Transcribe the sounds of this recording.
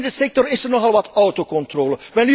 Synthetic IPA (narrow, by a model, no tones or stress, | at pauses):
ndəsɛk̚tɔrɪsərnɔxɑlˠʋɑtɔwtokɔntroːləʋɛlny